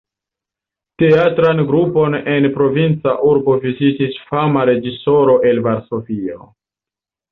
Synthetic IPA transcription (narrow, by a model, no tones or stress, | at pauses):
te̞atɾanɡɾupo̞ne̞npɾo̞vint͡saʔuɾbo̞vizitisfamaɾe̞d͡ʒiso̞ɾo̞ʔe̞lvaɾso̞vio̰